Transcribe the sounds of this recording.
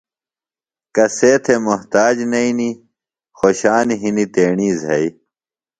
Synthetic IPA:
kɐseːt̪ʰemuɦt̪aːd͡ʑnɐini | xoɕaːniɦinit̪eːɳiːzɦɐi

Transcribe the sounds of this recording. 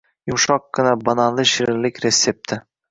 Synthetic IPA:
jʊmʃɒq̚ɡɨnabanɑlˠɪʃiɾɪlɪkʲɾesːep̚t̪ʰɪ

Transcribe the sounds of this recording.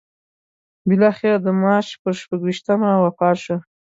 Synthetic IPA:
bɪlɑxɪɾad̪əmɑt͡ʃpəɾʃpaɡwiʃt̪amawapɑʃa

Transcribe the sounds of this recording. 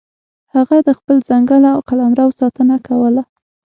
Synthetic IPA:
haɣad̪əxpəlzaŋɡəlaawqalɑmɾawsɑt̪ənakawəla

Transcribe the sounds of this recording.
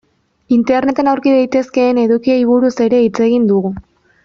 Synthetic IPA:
int̪e̞rne̞t̪e̞nawɾkiðajt̪e̞ske̞ːne̞ðukiajβ̞uɾuse̞ɾe̞it͡se̞ɣind̪uɣu

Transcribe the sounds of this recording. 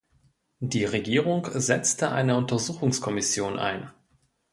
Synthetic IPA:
d̥iːʁeɡiːʁ̞ʊŋkzɛt͡stəʔa̰ɪnəʊntɐzuːxʊŋskʰɔmɪsjoːnʔa̰ɪn

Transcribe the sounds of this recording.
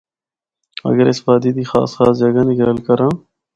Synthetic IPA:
ɐ̰ɡəɾɪsbaːd̪iːd̪iːxa̰ːsxaːs̬d͡ʒɐɡaniɡɐɾəlkɐɾãː

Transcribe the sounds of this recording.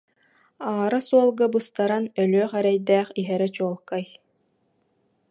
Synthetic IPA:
aːɾasuɔlˠɡabɯst̪aɾanœlœːχɛɾɛjd̪æːχiɦɛɾɛt͡ɕuɔlˠkaj

